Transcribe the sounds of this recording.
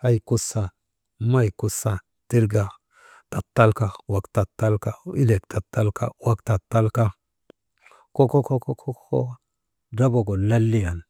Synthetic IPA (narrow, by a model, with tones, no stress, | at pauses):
a˦jku˦sa˨ | ma˦jku˨sa˨ | ti˦ɾɡa˨ | ta˨tːa˦lka˦wa˨kta˨tːa˦lka˦i˦le˨kta˨tːa˦lka̰˦wa˦kta˨tːa˦lka˦ | ko˦ko˦ko˦ko˦ko˦ko̰˦ | da˦bo˨ɡo˨la˦lːi˦ja˨n